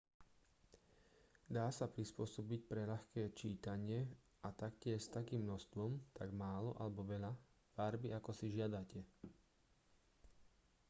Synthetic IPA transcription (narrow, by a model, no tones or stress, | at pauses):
d̪aːsapɾispʊɔsɔbic̚pɾɛʎaxkɛːt͡ʃiːt̪aɲɪɛ | ʔat̪akcɪɛʃst̪akiːmnɔst̪ʋɔmt̪ʰaɡmaːlɔʔa̰lɛbɔʋɛʎa | faɾbiakɔsiʒɪad̪acɛ